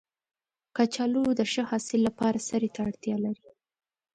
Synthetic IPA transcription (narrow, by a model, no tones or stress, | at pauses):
kat͡ʃɑlud̪əʃəhɑsɪlːapɑɾasaɾet̪aːɽt̪jɑlaɾi